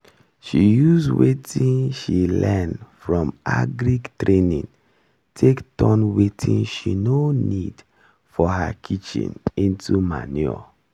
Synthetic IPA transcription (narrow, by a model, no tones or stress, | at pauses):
ʃijuzwetʰĩnʃilɛnfɹɔ̃maɡɾiɡtɹenĩn | tʰektɔ̃nwetʰĩnʃinonid | fɔhakʰit͡ʃḭ̃nĩntʰuma̰nɔ̰